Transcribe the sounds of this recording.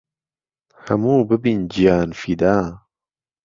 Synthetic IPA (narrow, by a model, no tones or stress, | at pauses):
hɐmuːbɨbind͡ʒijaːnfid̪aː